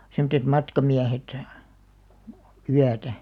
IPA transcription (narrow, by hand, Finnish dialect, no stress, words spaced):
semŏtːet mɑtkɑmiæhet yætæ